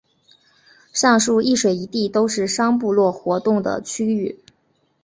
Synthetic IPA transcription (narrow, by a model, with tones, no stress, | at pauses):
ʂɑ˥˧ŋʂu˥˧i˥˩ʂwe˨˩ɪi˧˥t̪i˥˩t̪o˥ʊʂɻ̩˥˩ʂɑ˥ŋp̬u˥˧lwɔ˥˩xwɔ˧˥t̪ʊ˥˩ŋd̪ə̰˩t͡ɕʰy˥y˥˩